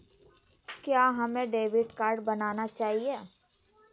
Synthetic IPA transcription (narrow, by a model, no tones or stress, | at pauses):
kjaːɦɐmẽɖeːʋɪʈkaːɾɖbɐnaːnat͡ʃaːɦieː